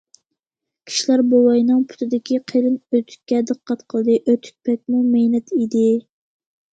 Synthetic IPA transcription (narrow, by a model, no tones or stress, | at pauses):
kʲʰi̥ʃilæɾbowɑjnɨŋpʰʊ̥t̪ʰɨd̪ɪkʲiqʰeɾɨnøt̪ʰy̥k̪̚ʲkʲːɛd̪əqqʰːɑt̪qʰəlˠd̪ɨʔøt̪ʰy̥k̪̚pʰɛk̪̚ʲmumejnɛt̪ʰid̪ɪ